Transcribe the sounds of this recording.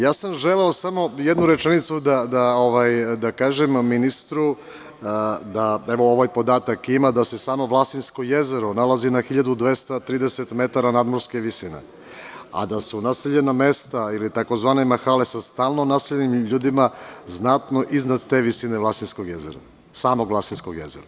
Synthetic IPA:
jaːsamʒeleo̞samo̞jed̪nuɾe̞t͡ʃenit̪sud̪ad̪aoʋajd̪akaːʒemːinist̪ɾu | d̪aeʋo̞oʋaːjpo̞d̪aːt̪akimad̪ase̞saːmo̞ʋlˠast̪inskoje̞zeɾonalˠazinaxiʎad̪ud̪ʋe̞st̪at̪ɾiːd̪eset̪me̞t̪aɾanaːd̪mo̞ɾske̞ʋisinḛ | a̰d̪asunaseʎe̞name̞st̪ailit̪ako̞zʋaːnemaxale̞sast̪aːlˠnonaseʎenimʎuːd̪imaznat̪no̞ʔiznad̪t̪e̞ʋisine̞ʋlˠast̪inskoɡjezeɾa | saːmo̞ɡlasinskoɡjḛzeɾa

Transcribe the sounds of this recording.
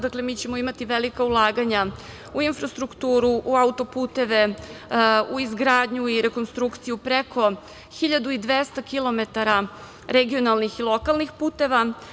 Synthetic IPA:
d̪aklemiːt͡ɕe̞moimat̪iʋelikaulˠaːɡaɲa | uinfɾast̪ɾukt̪uːɾuʔuaut̪o̞puːt̪e̞ʋe̞ | uizɡɾaːd̪ɲuiɾe̞ko̞nst̪ɾukt̪sijupɾekʰo̞ | xiʎad̪uid̪ʋest̪akilo̞met̪aɾa | ɾeɡio̞nalˠnixilˠo̞kalˠnixpuːt̪e̞ʋa

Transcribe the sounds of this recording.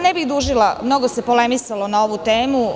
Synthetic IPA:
nebiɣd̪uʒilamno̞ɡosepole̞misalo̞nao̞ʋut̪eːmu

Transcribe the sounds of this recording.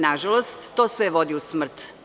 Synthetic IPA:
naʒalost̪ːoːsʋeʋo̞d̪iusmr̩t̪

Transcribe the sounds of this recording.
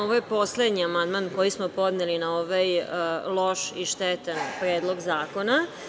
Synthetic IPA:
oʋojepo̞sle̞d̪ɲiamand̪manko̞jismopo̞d̪nelinao̞ʋajlˠo̞ʃiʃt̪et̪anpɾe̞ːd̪lˠo̞ɡzaːko̞na

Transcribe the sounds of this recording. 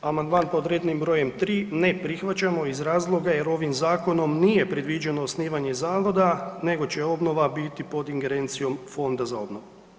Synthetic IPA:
amand̪maːnpo̞d̪ɾed̪nimbɾo̞ːje̞mt̪ɾiːne̞pɾixʋat͡ɕamo̞izɾaːzlˠo̞ɡaje̞ɾo̞ʋimzaːko̞no̞mnijepɾe̞d̪ʋid͡ʑeno̞ːsniːʋaɲe̞zaːʋo̞d̪ane̞ɡo̞t͡ɕeo̞bno̞ʋabit̪ipo̞d̪iŋɡe̞ɾe̞ːnt̪sijo̞mfo̞nd̪azao̞bnoʋu

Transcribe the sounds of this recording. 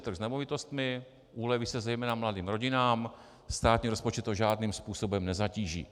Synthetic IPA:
t̪r̩ɣznɛmovɪt̪o̞st̪mɪ | ʔuːlɛvɪsɛzɛjmɛːnamladiːmɾo̞ɟɪnaːm | st̪aːt̪ɲiːɾo̞spo̞t͡ʃɛt̪ːoʒaːdniːmspuːso̞bɛmnɛzaciːʒḭː

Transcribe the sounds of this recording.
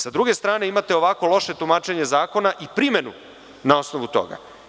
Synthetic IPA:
sad̪ɾuɡe̞st̪ɾaːne̞imat̪e̞o̞ʋako̞lˠo̞ʃe̞t̪umaːt͡ʃe̞ɲe̞zaːko̞naʔipɾime̞nṵ | nao̞snoʋut̪o̞̰ɡa̰

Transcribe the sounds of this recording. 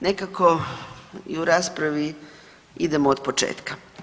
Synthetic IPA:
ne̞kako | ḭuɾaːspɾaʋi | id̪e̞moːd̪pot͡ʃḛːt̪kḁ

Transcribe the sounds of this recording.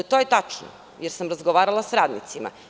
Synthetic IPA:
t̪ojet̪at͡ʃno̰ | jeɾsamɾazɡoʋaːɾalˠasɾaːd̪nḭt̪sima̰

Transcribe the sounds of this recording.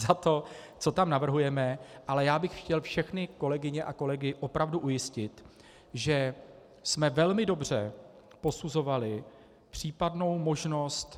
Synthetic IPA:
zat̪o̞ | t͡so̞t̪amnavr̩ɦujɛmɛʔalɛjaːbɪxxcɛlfʃɛxnɪko̞lɛɡɪɲɛʔako̞lɛɡɪʔo̞pɾavduʔujɪscɪt̪ | ʒɛ | smɛvɛlmɪdo̞br̝̥ɛ̰ | po̞suzo̞valɪ | pr̝̥iːpadno̞wmo̞ʒno̞st̪

